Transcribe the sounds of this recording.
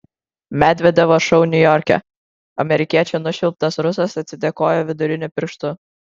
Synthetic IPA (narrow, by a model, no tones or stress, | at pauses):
mʲæːd̪ʲʋʲɛd̪ʲɛʋoʃɔʊnʲʊjɔɾʲkʲɛ̰ | ɐmʲɛɾʲɪkʲiɛt͡ʃʲɛnʊʃʲɪlˠp̚t̪ɐsɾʊsɐsɐt̪ʲsʲɪd̪ʲɛkoːjoːʋʲɪd̪ʊɾʲɪnʲʊpʲɪɾʃt̪ʊ